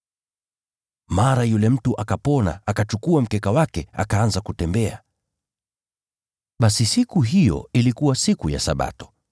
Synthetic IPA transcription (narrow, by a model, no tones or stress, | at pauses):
maɾajulɛm̩tuʔakapɔna̰akat͡ʃukuam̩kɛkawakɛa̰kaanzakutɛmbɛa̰ | ɓasisikuɦijɔ̰ilikuwasikuja̰saɓa̰tɔ̥